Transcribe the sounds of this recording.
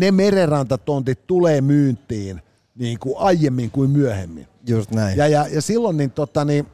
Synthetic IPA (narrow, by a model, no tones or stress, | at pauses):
nemererɑnt̪ɑt̪ont̪it̪t̪uleːmyːnt̪ːˑiːn | niːŋkuʔɑijːemːiŋkuimmyøhemːḭnjust̪næijɑjɑjɑsilːonnint̪ot̪ːɑni